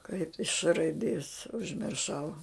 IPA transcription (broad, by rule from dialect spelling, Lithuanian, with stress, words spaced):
kɐɪp ɪʃ ʃ rɐɪˈdʲeːs ʊʒʲmʲɪrˈʃɐʊ